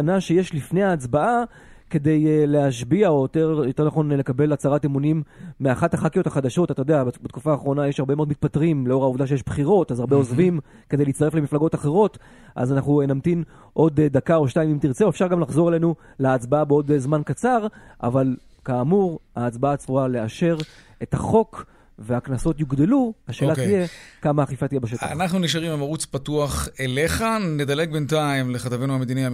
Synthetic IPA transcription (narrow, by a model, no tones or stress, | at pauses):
naʃe̞je̞ʃlifne̞jaːt͡sbaa | ke̞d̪e̞jleaʃbiaojot̪eʁjot̪eʁnaχo̞nle̞kabe̞lat͡saʁatemunimːeaχathaχakijo̞taχad̪aʃo̞tatajodeabbetkufaːχʁo̞najeʃhaʁbemeo̞d̪mit̪̚patʁimleo̞ʁaovd̪aʃ̬ejeʃbχiʁo̞tazaʁbeo̞zvim | kede̞jliːt͡sst̪aʁefle̞miflaɡo̞taχe̞ʁ̞o̞t | ʔa̰zanaχnunamt̪in | ʔo̞d̪dakao̞ʃnaimimt̪iʁt͡seoefʃaʁɡamlaχzo̞ʁele̞nu | laːt͡sbaabeo̞d̪zmankat͡saʁʔa̰val | kaːmuʁaːt͡sbaat͡suale̞aʃe̞ʁ | etaχo̞k | ve̞aknaso̞t̪juɡd̪eluhaʃe̞ːlatije̞kamaaχifatije̞baʃetaa̰naχnuniʃ̬aʁimamaʁut͡spatuaχele̞χaned̪ale̞ɡ̚bentaimleχat̪avenuamed̪ini